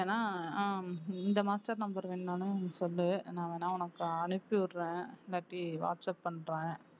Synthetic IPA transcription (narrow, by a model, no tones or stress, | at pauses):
eːnːaː | ɪnd̪ɐmaːsʈɐɾnɐmbɐɾʋɪnːaːnɯ̃nɐsɔlːɯnãːʋeːnːaːʊnɐkːɯɐnɯpːiʊɾɾẽːɪlːaːʈɾiʋa̰ːʈsɐpːɐɳːɾẽː